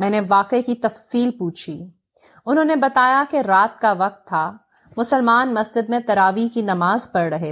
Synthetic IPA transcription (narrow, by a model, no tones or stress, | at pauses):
mɛ̃ːneʋaːqikit̪ɐfsiːlpuːt͡ʃʰiː | ʊnɦõːnebɐt̪aːjakeɾaːt̪̚kaʋɐq̚t̪ʰːa | mʊsəlmaːnmɐsd͡ʒɪd̪mẽt̪ɐɾaːʋikinɐmaːzpɐɾɾɐɦe